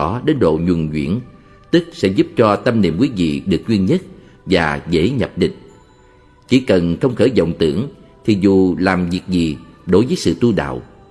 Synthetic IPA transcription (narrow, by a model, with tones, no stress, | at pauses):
ɔ˨˦ɗe˨˦nɗo̰˧˨ɲwu˨˩ŋzwḭ˧˥ən | t̪ɨ˦˥k̚sɛ̰˧˥zu˦˥p̚t͡ɕɔ˧t̪ə˧mnḭ˧˨əmkwi˨˦vḭ˧˨ɗɨ˨˩ək̚zwi˧ənɲə˦˥t̚ | vaː˨˩ɣḛ˧˥ɲə˨˩p̚ɗḭ̈˧˨ŋ̟ | t͡ɕi˧˩˦kə˨˩nxə˧wŋ͡mxəː˧˩jzə̰˧˨wŋ͡mt̪ɨ̰˧˥əŋ | t̪ʰi˨˩zu˨˩laː˨˩mvi˨˩ək̚zi˨˩ɗo˨˦jvəː˨˦jsɨ̰˧˨t̪u˧ɗa̰ː˧˨w